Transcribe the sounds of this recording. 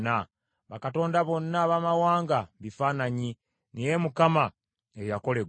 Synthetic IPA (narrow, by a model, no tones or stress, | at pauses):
na | βakato̞ːndaβo̞nːaβamawaːŋɡaβifaːnaɲi | nejemukama | ejako̞le̞ɡ